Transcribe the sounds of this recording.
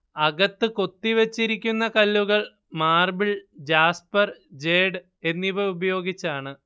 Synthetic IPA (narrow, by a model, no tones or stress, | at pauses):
ɐɣɐt̪ːɨko̞t̪ːiʋɐt͡ɕːiɾikʲːunːɐkɐlːuɣɐɭ | maːrbiɭd͡ʑaːspɐrd͡ʑeːɖɨ | e̞nːiʋɐubɐjo̞ːɡit͡ɕːaːɳɨ